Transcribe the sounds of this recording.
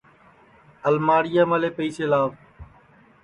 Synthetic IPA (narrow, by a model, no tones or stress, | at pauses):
əlmaːɽɪjaːmaːleːpəiːseːlaːʋ